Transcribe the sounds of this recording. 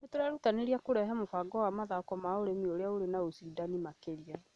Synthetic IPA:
netoɾaɾutaneɾiakoɾɛɦɛmofaɡɔwamaðaɔkɔmaoɾemioɾeaoɾenaosidanimakeɾia

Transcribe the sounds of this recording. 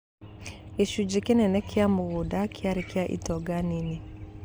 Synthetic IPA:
iʃud͡ʒikinɛnɛkʰiamʊɣudakʰiaɾikiaʔḭtɔɡanini

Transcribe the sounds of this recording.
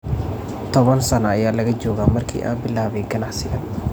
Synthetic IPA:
t̪ʰɔβɐnsɐnɐːjaːlɐɣɐd͡ʒɔːɣaːmɐrkʰḭːʔa̰ːmbɪlaːβɛŋɡɐnɑħsɪɣɐn

